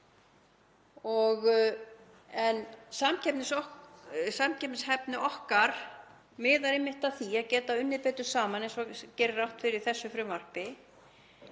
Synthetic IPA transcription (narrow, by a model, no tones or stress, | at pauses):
ɔɣ | ɛnsamcʰɛpnɪsɔ | samcʰɛpnɪshɛpnɪʔɔhkaɾ̥ | mɛːðaɾemːɪht̪aθiaðcɛːt̪aʏnːɪpɛːt̪ʏ̥saːmanejnsɔcɛːɾrːawht̪fɪɾɪɾ̥θɛsːʏfɾʏmvar̥pɪ